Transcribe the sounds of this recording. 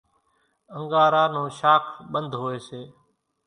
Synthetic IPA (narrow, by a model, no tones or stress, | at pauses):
əŋɡaːɾaːnũːʃaːkʰɓənd̪ʱɦoːeːseː